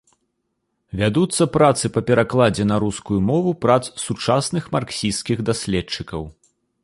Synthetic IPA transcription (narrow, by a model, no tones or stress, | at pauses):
vʲad̪ut̪sːɐpɾat̪sɨpɐpʲɛɾaklˠad͡zʲɛnɐɾuskujumɔvupɾat̪sːut͡ʂasnɨxmarksʲiskʲiɣd̪asʲlʲɛt͡ʂɨkɐw